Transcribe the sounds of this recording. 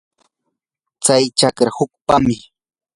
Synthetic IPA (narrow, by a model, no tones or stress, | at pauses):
t͡sajt͡ʃakɾahʊk̚pamɪ